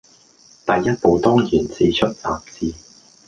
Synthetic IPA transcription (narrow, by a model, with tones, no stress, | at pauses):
t̪ɐ˨jːɐ˥t̚po˨˧wt̪ɔː˥ŋjiː˨˩nt͡siː˨˧t͡ʃʰɵ˥t̚t͡saː˨p̚t͡siː˨˧